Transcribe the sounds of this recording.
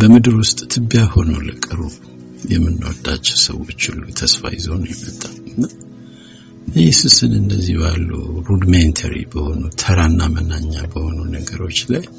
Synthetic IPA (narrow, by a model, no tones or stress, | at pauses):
bəmɨd̪ɨɾwʊst̪ʼt̪ʰɨbːjaho̞nulɨkʼɨɾu | jɛmːɨnːɨwɔd̪at͡ʃːɛwsə̰wo̞t͡ʃːulːut̪ʰəsfa̰jɪzonjɛmːət̪ʼːalɨnːa | jɛsusɨnɨndəzːihbalːṵɾud̪ment̪ʰəɾḭbəho̞nut̪ʰəɾanːamənaɲːabəho̞nunəɡəɾo̞t͡ʃːlaj